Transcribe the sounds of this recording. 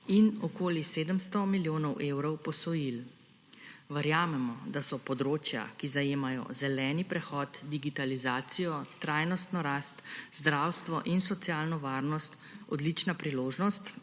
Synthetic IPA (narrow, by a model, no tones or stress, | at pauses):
inɔkoːliseːd̪əmst̪ɔmiljoːnɔwʔewɾɔwpɔsɔjil | ʋɛɾjaːmɛmɔd̪asɔpɔd̪ɾoːt͡ʃja̰kizajeːmajɔ̰zɛlɛːnipɾɛxɔːt̪d̪iɡit̪alizaːt̪sijɔt̪ɾajnɔst̪nɔɾast̪zd̪ɾawst̪ʋɔʔinsɔt̪sjaːlnɔʋaːɾnɔst̪ | ɔd̪lit͡ʃnapɾiloːʒnɔst̪